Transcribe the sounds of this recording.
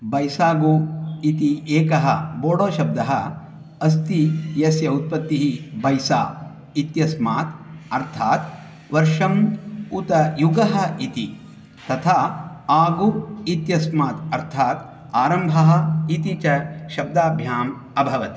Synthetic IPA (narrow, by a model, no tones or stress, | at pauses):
bɐjsaːɡuit̪ieːkɐɦɐboːɽoːʃɐb̚d̪ɐɦɐ | ɐs̬t̪ijɐsjɐut̪̚pɐt̪ːiɦibɐjsaː | it̪jɐsmaːt̪ɐɾt̪ʰaːt̪̚ | ʋɐɾʂɐmut̪ɐjuɡɐɦɐ̆it̪i | t̪ɐt̪ʰaːaːɡuit̪jɐsmaːt̪ɐɾt̪ʰaːt̪ | aːɾɐmbʱɐɦɐ̆it̪it͡ʃɐʃɐb̚d̪aːbʱjaːm | ɐbʱɐʋɐt̪i̥